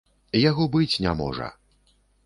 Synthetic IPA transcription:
jaɣɔbɨt͡sʲnʲa̰mɔ̰ʐɐ̰

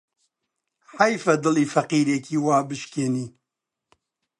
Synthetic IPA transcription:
ħajfɐd̪ɨliːfɐqiːɾeːkʰiːwaːbɨʃkeːniː

